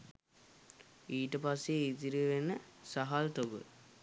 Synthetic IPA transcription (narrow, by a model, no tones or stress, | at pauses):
iːʈəpasːeit̪iɾiʋenəsaɦalt̪oɡə̰